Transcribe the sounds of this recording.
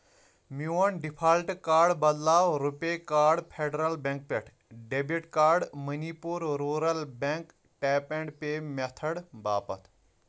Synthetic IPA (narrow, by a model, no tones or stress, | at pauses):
muɐnɖipʰaːlʈkaːɾɖbɐd̪laːwɾupekaːɾɖpʰeːɖɾɐlbẽŋk̚peʈʰ | ɖebiʈkaːɾɖmɐniːpuɾɾuːɾɐlbẽŋk | ʈeːpẽɳɖpeːmɐt̪ʰəɽbaːpɐ̰t̪ʰ